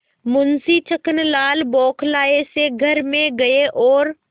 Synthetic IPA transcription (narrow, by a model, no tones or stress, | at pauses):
mʊnsit͡ʃɐkənlaːlbɔːkʰlaːeseɡʱɐɾmẽɡɐeʔɔːɾ